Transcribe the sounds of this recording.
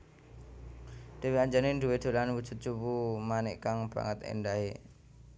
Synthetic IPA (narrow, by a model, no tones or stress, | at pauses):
d̪̥e̤wiaɲd͡ʒanɪnd̪uwed̪̥o̤lanwud̥d͡ʒ̥ʊ̤t̪̚t͡ʃupumanɛʔkaŋb̥a̰ŋət̪ḛnɖaɦe